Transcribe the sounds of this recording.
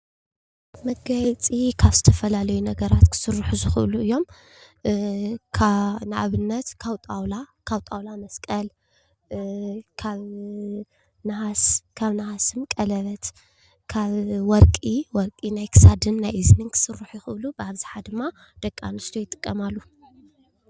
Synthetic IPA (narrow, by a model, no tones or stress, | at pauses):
mɐɡɐjt͡sʼikʰaβzɨt̪ʰɐfɐlalɐjunɐɡɐɾat̪kʰɨ̥sɨɾːuħuzɨxɨʔluɨjːo̞m | kʰnɨʔa̰βɨnːɐt̪kʰawt̪ʼawlakʰawt̪ʼawlamɐskʼɐl | kʰaβ | nahaskʰaβnahasɨmkʼɐlɐβɐt̪ | kʰaβwɔɾkʼiwɔɾkʼinajkʰɨ̥sad̪ɨnːajʔɨznɨnkʰɨ̥sɨɾːuħjɪxɨʔɨlubaβziħad̪ɨmːa | d̪̥ɐkʼːa̰nɨst̪ʰojɪt̪ʼɨ̥kʼːɐmalːu